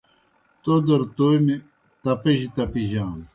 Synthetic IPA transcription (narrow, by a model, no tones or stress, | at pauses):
t̪od̪ɐɾt̪ojmi | t̪ɐpɐʑit̪ɐpiʑaːn